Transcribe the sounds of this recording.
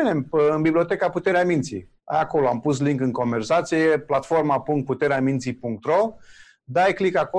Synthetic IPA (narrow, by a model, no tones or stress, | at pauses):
inemɨnbiblio̞t̪ekaput̪e̞ɾeamint̪sḭ | a̰jako̞loampusliŋkɨŋko̞nve̞rsat̪sijeplat̪fo̞rmapuŋk̚t̪̚put̪e̞ɾeamint̪sipuŋk̚t̪ɾo̞ | d̪ajklikako